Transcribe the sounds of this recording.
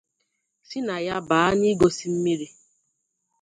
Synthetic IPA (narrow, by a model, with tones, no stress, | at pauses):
si˦na˨ja˦baː˨a˦ni˦ɡo˨si˦m̩˦mi˦ɾi˦